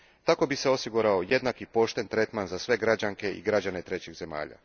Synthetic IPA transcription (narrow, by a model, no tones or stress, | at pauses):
t̪ako̞bise̞o̞siɡuɾao̞je̞d̪nakipo̞ʃt̪e̞nt̪ɾe̞t̪manzasʋe̞ɡɾad͡ʑaŋke̞ḭɡɾad͡ʑane̞t̪ɾe̞t͡ɕiɣze̞ma̰ːʎa̰